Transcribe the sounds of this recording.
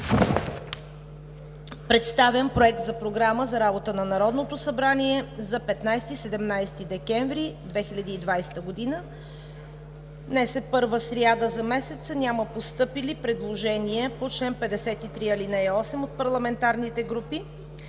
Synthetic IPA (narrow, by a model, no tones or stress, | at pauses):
pɾɛt̪st̪avʲjəmpɾoɛk̚t̪zɐpɾoɡɾaməzɐɾabot̪ənɐnɐɾɔd̪not̪osɐbɾaniɛzɐpɛt̪najst̪isɛd̪ɛmnajst̪id̪ɛkɛɱvɾid̪vɛxilʲɐd̪iːd̪vajst̪əɡod̪inə | nɛsɛpɤɾvəsɾiad̪əzɐmɛsɛt̪sənʲaməpost̪ɤpilipɾɛd̪lˠoʒɛniɛpot͡ʃlɛnpɛd̪ɛsɛt̪it̪ɾiɐlinɛɔsɛmot̪̚pɐɾlˠɐmɛnt̪aɾnit̪ɛɡɾupi